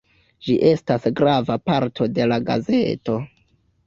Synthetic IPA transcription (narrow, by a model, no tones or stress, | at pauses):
d͡ʒiʔe̞stasɡɾavapaɾtʰo̞de̞laɡa̰ze̞to̞